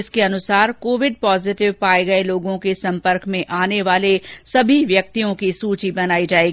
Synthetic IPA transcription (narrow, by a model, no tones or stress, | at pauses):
ɪskeɐnʊsaːɾkoːʋɪɖ̚pɔːzɪʈɪʋpaːeɡɐeloːɡõkesɐ̃mpəɾkmẽʔaːneʋaːlesɐbʱiʋjɐk̚t̪ijõkisuːt͡ʃibɐnaːid͡ʒaːeːɡi